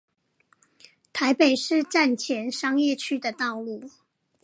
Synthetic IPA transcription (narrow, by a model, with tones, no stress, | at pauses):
t̪ʰa˧˦˥ɪpe˨˩ɪʂɻ̩˥˧ʈ͡ʂa˥˨nt͡ɕʰjɛ˧˥nʂɑ˥ŋjɛ˥˨t͡ɕʰy˥d̪ə˨t̪ɑ˥˧ʊlu˥˩